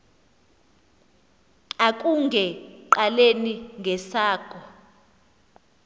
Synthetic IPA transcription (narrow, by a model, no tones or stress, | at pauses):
akʼuŋɡʱɛǃaleniŋɡʱɛsaːkʰʼɔ